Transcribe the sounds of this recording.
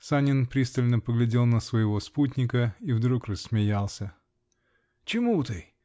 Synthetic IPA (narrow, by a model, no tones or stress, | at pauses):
sanʲɪnpɾʲist̪əlʲnəpəɡlʲɪdʲelˠnəsvəjɪvo̞sputʲnʲɪkəivd̪ɾukrəsːmʲɪjalˠsʲə | t͡ɕɪmut̪ɨ